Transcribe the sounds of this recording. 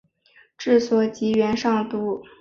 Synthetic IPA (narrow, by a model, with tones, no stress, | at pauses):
ʈ͡ʂɻ̩˥˩swɔ˨˩t͡ɕi˧˥ɥɛ˧˥nʂɑ˥˩ŋt̪u˧˥